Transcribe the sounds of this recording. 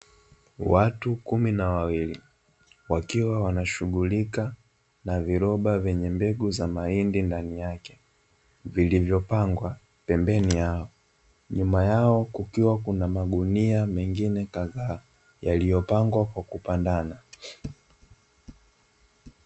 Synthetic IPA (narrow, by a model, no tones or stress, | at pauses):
watukuminawawili | wakiwawanaʃuɠulika | naviɾɔɓavɛɲɛmbɛɡuzamaindindanijakɛ̥ | vilivjɔpaŋɡwa | pɛmbɛnijaɔ | ɲumajaɔkukiwakunamaɠuniamɛŋɡinɛkaɣaː | jalijɔpaŋɡwakwakupandana